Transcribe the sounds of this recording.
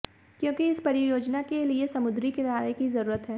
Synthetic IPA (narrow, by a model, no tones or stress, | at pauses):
kjõːkiɪspɐɾɪjoːd͡ʒnakeliesɐmʊd̪ɾikeɾaːɾəjkizɐɾuːɾət̪ɦɛː